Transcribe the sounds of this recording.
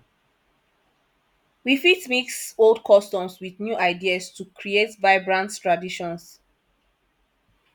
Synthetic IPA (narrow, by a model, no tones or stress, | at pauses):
wifitmiksoldkʰɔstɔ̃mswiðnjuʔaɪdiastukʰɹietvaɪbɹãnttɹadiʃɔ̃ns